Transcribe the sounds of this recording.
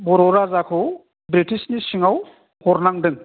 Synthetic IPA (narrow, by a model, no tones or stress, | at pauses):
bɔɾɔɾazakʰɯw | bɾitisnisiŋaw | hɔɾnaŋdɯŋ